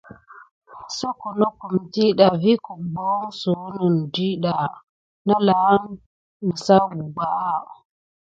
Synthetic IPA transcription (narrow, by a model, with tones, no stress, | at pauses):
so˦ku˨no˦ku˨mti˦ɗa˨vi˦ku˨ɡ͡bo˦ŋsu˨wnə˨n˨di˦ɗa˨ | na˦la˨a˦ŋ | mə˨sa˦wu˨ɡ͡ba˨ʔa˦˨